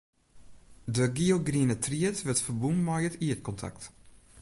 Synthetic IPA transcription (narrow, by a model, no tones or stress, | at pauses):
dəɡioɡriənətʰriətʋətfərbumːɔjətiət̚kʰɔntʰa̰kt